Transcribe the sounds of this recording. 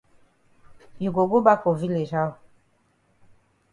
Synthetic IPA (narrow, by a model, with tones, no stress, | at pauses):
ju˨ɡo˨ɡo˦ba˦ko˨vi˦le˨ʒa˦˨